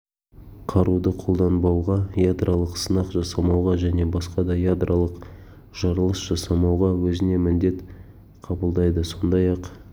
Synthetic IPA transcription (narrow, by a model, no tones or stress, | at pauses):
qʰɑɾud̪əqʰo̞lˠd̪ɑnbɑwʁɑjad̪ɾʔalˠəqsənɑqʒɑsɑmɑwʁɑʒæne̞bɑsqɑd̪ɑjad̪rʔalˠəq | ʒ̥ɑɾəlˠəsʒ̥ɑsɑmɑwʁɑwɵzɪne̞mɪnd̪e̞t̪ | qʰɑbəlˠd̪ɑjd̪əso̞nd̪ɑjɑq